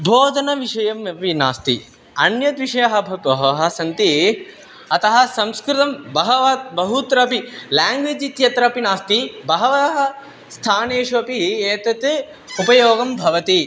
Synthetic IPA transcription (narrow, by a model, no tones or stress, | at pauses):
bʱoːd̪ʱɐnɐʋiʂɐjɐmɐpina̰ːst̪ḭ | ɐnjɐt̪ʋiʂɐjɐɦɐ̆bʱɐbɐɦɐʋɐɦɐsɐnt̪i | ɐt̪ɐɦɐ̆sɐmskɾɪt̪ɐmbɐɦɐʋat̪bɐɦut̪ɾɐpilaːŋɡʋeːd͡ʒit̪jɐt̪ɾɐpinaːst̪ibɐɦɐʋɐɦɐ | st̪ʰaːneːʂuɐpieːt̪ɐt̪e | upɐjoːɡɐmbʱɐʋɐt̪i